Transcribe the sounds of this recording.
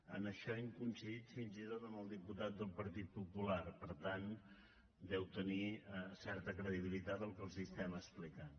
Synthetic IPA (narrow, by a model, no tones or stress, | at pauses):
ə̰nəʃɔiŋkunsiðit̪finzit̪ot̪əmbəlˠd̪iput̪at̪̚d̪əlˠpəɾt̪it̪̚pupulaɾpəɾt̪an | d̪ɛwt̪əniəsɛɾt̪əkɾəðiβilit̪at̪əlˠkənsist̪ɛməsplikan